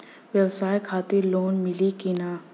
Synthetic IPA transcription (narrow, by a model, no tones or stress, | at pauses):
ʋwjɐwsaːjkʰaːt̪ɪɾloːnmɪlikɪnaː